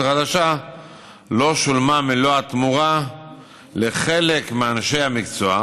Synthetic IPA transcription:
χad̪aʃa | lo̞ʃulmamiloat̪muʁa | leχe̞le̞kmeanʃejhamikt͡soa

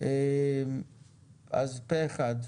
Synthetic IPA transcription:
em | a̰zpeeχad̪

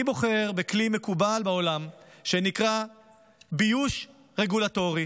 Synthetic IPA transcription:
bo̞χe̞ʁbeklimekubalbao̞lamʃenikʁa | bijuʃ | ʁeɡulato̞ʁi

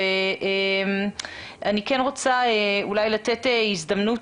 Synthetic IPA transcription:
eem | ʔanikenʁo̞t͡saeulajlateteizd̪amnut

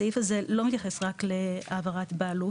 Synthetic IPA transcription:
ifazelo̞mit̪jaχesʁakleavaʁatbaːlu

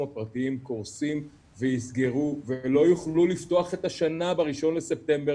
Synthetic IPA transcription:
apʁat̪iimkoʁsim | vejisɡeʁuvelo̞juχlulift̪o̞aχe̞t̪aʃanabeʁiʃo̞nlesep̚t̪e̞mbe

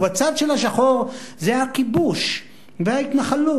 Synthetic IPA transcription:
bat͡sad̪ʃelaʃ̬aχoʁzehakibuʃ | veait̪naχalu

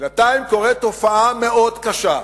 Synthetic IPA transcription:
nat̪aimko̞ʁet̪o̞faame̞ʔo̞d̪kaʃa

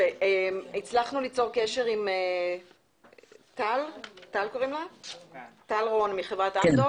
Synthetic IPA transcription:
veemit͡slaχnulit͡so̞ʁkeʃe̞ʁime | t̪altalkoʁimla | talʁonmiχevʁatando

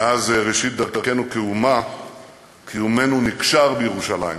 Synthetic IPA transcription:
azʁeʃit̪̚d̪aʁkakenukeuma | kiume̞nunikʃaʁbejeʁuʃala̰jḭm

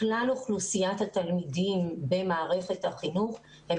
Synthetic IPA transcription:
klaloχlusijathat̪almidimbe̞maːʁe̞χe̞thaχinuχ | he

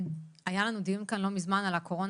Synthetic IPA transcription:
ajalanud̪iumkanlo̞mizmanalako̞ʁo̞n

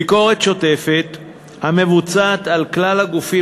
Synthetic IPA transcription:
iko̞ʁe̞t̪ʃo̞t̪e̞fe̞t̪ | hame̞vut͡saːt̪alklalhaɡufi

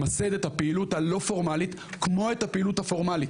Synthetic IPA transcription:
mased̪ethapeiluthalo̞fo̞ʁmalit̪ | kmo̞ethapeiluthafo̞ʁmalit

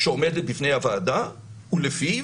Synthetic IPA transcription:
ʃeomedet̚bifne̞javaːda | ulefi

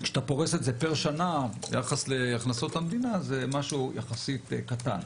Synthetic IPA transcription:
kʃḁt̪apo̞ʁesetzepeʁʃanaja̰χasleaχnaso̞t̪amd̪inaze̞maʃujaχasit̪kat̪a̰n

